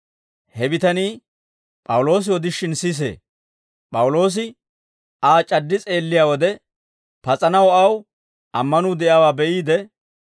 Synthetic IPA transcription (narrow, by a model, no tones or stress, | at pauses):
hɛbɪt̪ɐniː | pʼɐwʊlo̞ːs̬ɪɔd̪ɪʃːɪnsis̬ḛː | pʼɐwʊlo̞ːs̬ɪ | aːt͡ʃʼɐd̪ːɪt͡sʼe̞ːlːɪjaːwɔd̪ɛ | pɐt͡sʼɐnɐwɐw | ʔɐmːɐnʊːd̪ɛʔaːwaːbɛʔiːd̪ɛ